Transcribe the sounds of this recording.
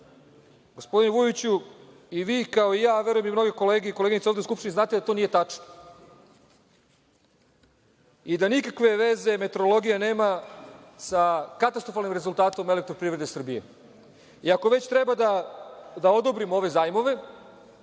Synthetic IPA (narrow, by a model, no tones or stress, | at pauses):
ɡo̞spo̞d̪ineʋujit͡ɕu | iʋiːkao̞ijaːʋe̞ɾuje̞mimno̞ɡekoleːɡeikoleɡeɲit̪sovd̪euskupʃt̪iniznaːt̪ed̪at̪onije̞t̪at͡ʂno̥ | id̪anikakʋe̞ʋe̞ze̞me̞t̪o̞ɾolˠo̞ɡijane̞ːma | sakat̪ast̪ɾofalnimɾezulˠt̪aːt̪o̞me̞lekt̪ɾo̞pɾiʋɾed̪esr̩bije̞̰ | iako̞ʋe̞t͡ɕt̪ɾebad̪ad̪aod̪o̞bɾimo̞ʋe̞zaːjmo̞ʋe̞